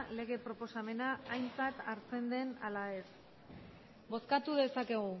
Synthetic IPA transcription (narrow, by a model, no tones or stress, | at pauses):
le̞ɣ̞e̞pɾo̞po̞same̞naːjnt͡sat̪aɾt͡se̞nd̪e̞nalae̞s | bo̞skat̪uðe̞sake̞ɣu